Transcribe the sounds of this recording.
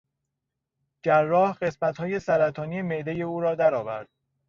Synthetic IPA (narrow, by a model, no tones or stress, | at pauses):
d͡ʒærːɒːhɢe̞smæt̪hɒːje̞sæɾæt̪ʰɒːniːeme̞ʔd̪eje̞uːɾɒːd̪æɾɒːvæ̰ɾd̪̥̚